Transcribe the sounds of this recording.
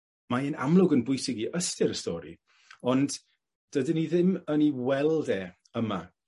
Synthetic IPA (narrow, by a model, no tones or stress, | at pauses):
maɛna̰mlˠʊɡənbʊjsɪɡiʔəstɪɾəstɔːɾḭ | ɔnd̥ | d̥ədɪniðɪməniwɛlˠdɛː | əma̰